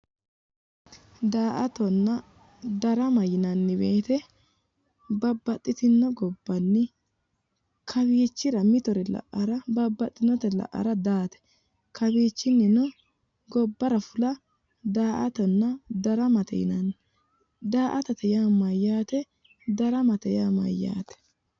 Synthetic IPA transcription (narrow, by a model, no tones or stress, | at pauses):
d̪aːʔɐt̪ɔnːɐ | d̪ɐɾɐmɐjɪnɐnːɪbeːt̪ɛ | bɐbːɐt̪ʼːɪt̪ɪnːɔɡɔbːɐnːɪ | kʰɐβiːt͡ʃːɪɾɐmɪt̪ɔɾɛlɐ̰ʔɐɾɐbɐbːɐt̪ʼːɪnɔt̪ɛlɐ̰ʔɐ̰ɾɐd̪aːt̪ɛ̥ | kʰɐbiːt͡ʃːɪnːɪnɔ | ɡɔbːɐɾɐfʊlɐ | d̪aːʔɐt̪ɔnːɐd̪ɐɾɐmɐt̪ɛ̰jɪ̰nɐn | d̪aːʔɐt̪ɐt̪ɛjaːmɐjːaːt̪ɛ | d̪ɐɾɐmɐt̪ɛjaːmɐ̰jːa̰ːt̪ɛ̥